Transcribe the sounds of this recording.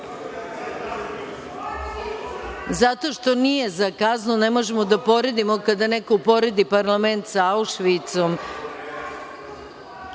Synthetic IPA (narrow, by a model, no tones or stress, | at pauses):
zat̪o̞ʃt̪o̞nije̞zakaznunemo̞ʒemo̞d̪apo̞ɾe̞d̪imo̞kad̪anekoupo̞ɾed̪ipaɾlˠament̪sauʃʋit̪som